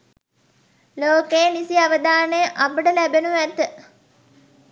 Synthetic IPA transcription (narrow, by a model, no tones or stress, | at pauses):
loːkeːnisiaʋəd̪aːnəjəʔabəɖəlæbenuʋæt̪ə